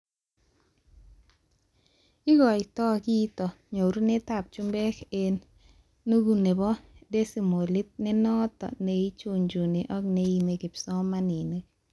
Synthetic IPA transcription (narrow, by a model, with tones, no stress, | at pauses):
ɪ˦ɡɔ˨ɪ˨tɔ˦ki˦tɔ˨ | ɲo˨ɾu˦ne˦ta˦˨p̚t͡ʃu˦mbɛ˦ke˦n | nu˦ɡu˨ne˨bɔ˦de˦si˨mo˨li˦t̚nɪ˦nɔ˦tɔ̰˨ne˨i˦t͡ʃu˦ɲd͡ʒu˨ni˨ʔɔ˦k̚ne˨i˨me˨kɪ˨psɔ˦ma˦ni˨ne˦k